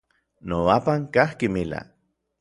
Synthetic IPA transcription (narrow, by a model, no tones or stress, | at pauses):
noapaŋkahkimila̰